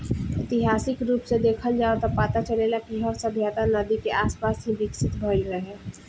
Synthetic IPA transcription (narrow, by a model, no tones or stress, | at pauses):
ɪt̪ɪɦaːsɪkɾuːpsed̪eːkʰəld͡ʒaːot̪apaːt̪at͡ʃɐlelakiɦɔːɾsəbʱjaːt̪anəd̪ikeʔaːspaːsɦibɪksɪt̪bʱɔɾiəɦɛː